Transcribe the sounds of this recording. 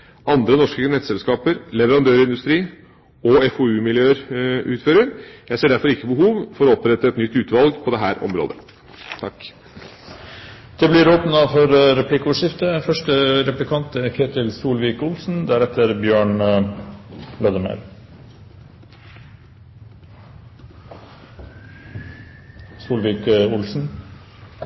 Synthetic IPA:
ɑnd̪ɾənɔʂkənɛt̪sɛlskɑːpəɾlɛʋəɾɑnd̪øːɾɪnd̪ʉst̪ɾiː | ɔɛfɔʉːmɪljøːɾʉːt̪føːɾəɾjæɪseːɖæɾfɔɾɪkːəbəɦuːʋfɔɾɔɔpɾɛt̪ːəɛt̪nʏt̪ːʉːt̪ʋɑlɡpʰɔd̪ɛɦæːɾʔɔ̰mɾo̰ːd̪ə | t̪ʰɑkː | d̪̥ɛblɪɾoːpnɑfɔɾɾɛpʰlɪkəʉʂɪft̪əfœʂʈəɾɛplɪkʰɑnt̪ɛkʰeːt̪ɪlsuːlʋiːkʊlsn̩d̪æɾɛt̪ʰəɾbjøːɳ | blɑd̪əmœ̰ɾ | suːlʋiːkʊlsn̩

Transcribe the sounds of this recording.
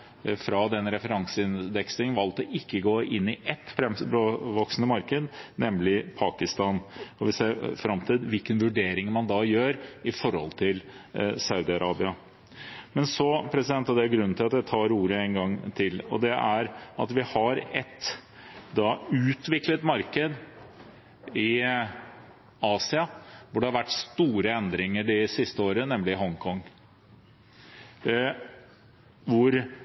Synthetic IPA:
fɾɑd̪ɛnːɾɛfəɾɑŋsəɪnd̪ɛksɪŋnʋɑlt̪ɔʔɪkːəɡoːʔɪnːɪʔɛt̪ːfɾɛmbɾoːʋɔksnəmɑɾkəd̪nɛmlɪpʰɑːkɪst̪ɑːnɔʋɪseːɾfɾɑmt̪ʰiːd̪ʋɪlkənʋʉɖeːɾɪŋmɑnd̪ɑjøːɾɪfɔɾhɔ̰lt̪ʰɪlsɑʉd̪ɪɑɾɑːbɪɑ | mɛnsɔpʰɾɛsɪd̪ɛnt̪hɑd̪ɛæɾɡɾʉnːnʰɪlɑt̪d̪ɛt̪ʰɑːɾuːɾəɛːnɡɑŋt̪ʰɪlɔ̰d̪ɛʔæɾɑ̰t̪ʋɪhɑɾɛt̪ | d̪ɑʉːt̪ʋɪklət̪mɑɾkəd̪ | ɪ | ɑːsɪɑʋʊɖɛhɑɾʋæʈːst̪uːɾəɛnd̪ɾɪŋəɖɪsɪst̪əoːɾənɛmlɪɦɔŋkʰɔŋ | ʋʊɾ

